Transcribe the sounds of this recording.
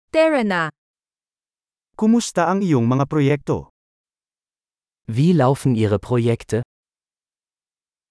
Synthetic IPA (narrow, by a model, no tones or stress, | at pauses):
t̪ɛɹɛna | kʊmʊst̪aʔɐŋɪjoŋmɐŋapɾojɛk̚t̪o̰ | viːlaʊfn̩iːʁəpʁ̥ojɛkt̪ʰə